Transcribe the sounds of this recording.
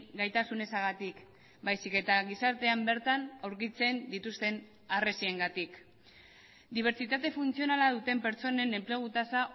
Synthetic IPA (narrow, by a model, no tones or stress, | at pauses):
ɡajt̪asune̞saɣat̪ik | bajsike̞t̪aɣisaɾt̪e̞ambe̞ɾt̪anawɾkit͡se̞nd̪it̪ust̪e̞n | are̞sie̞ŋɡat̪ik | d̪iβ̞e̞ɾt͡sit̪at̪e̞funt͡sio̞nalað̞ut̪e̞mpe̞ɾt͡so̞ne̞ne̞mple̞ɣ̞ut̪asa